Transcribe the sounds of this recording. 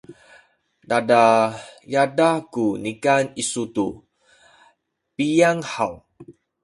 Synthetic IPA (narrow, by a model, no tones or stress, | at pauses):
dadajadakunikanisut̪u | pijaŋhaw